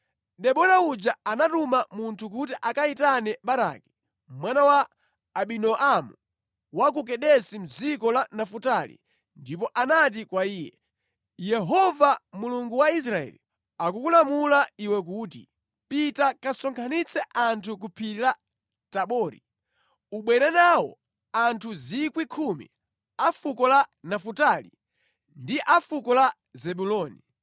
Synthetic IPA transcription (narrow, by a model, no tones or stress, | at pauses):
ɗɛɓɔɾaud͡ʒaanatumamuntʰuk̬utiʔakaitanɛɓaɾa̰ki̥ | mwanawaː | ɓinɔʔamu | wak̬ukɛɗɛsim̩d͡zikɔlanafutalḭ | ndipɔʔanat̬ikwaiːjɛ̰ | jɛɦɔvamuluŋɡuwais̬ɾaɛ̰li | akukulamulaiwɛk̬uːtḭ | pitakasɔŋkʰanit͡sʰɛʔantʰuk̬upʰiila | taɓɔːɾḭ | uɓwɛɾɛnawɔ̰ | antʰuzikwikʰumḭ | afukɔlanafutalḭ | ndiʔafukɔla | zɛɓulɔːni